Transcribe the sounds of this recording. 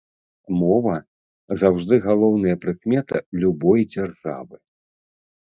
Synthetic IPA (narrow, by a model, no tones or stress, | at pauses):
mɔvɐ | zawʐd̪ɨɣalˠɔwn̪ɐjɐpɾɨkmʲɛt̪ɐlʲubɔjd͡zʲarʐa̰vɨ